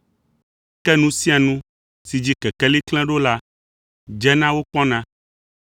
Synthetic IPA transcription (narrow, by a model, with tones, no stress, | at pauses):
kɛ˦nũ˦si˦a˨nũ˦ | si˨d͡ʑi˦kɛ˨kɛ˦li˦klɛ̃˦ɖo˦la˦ | d͡ʒɛ˦nã˦wo˦k͡pɔ̃˦nã˦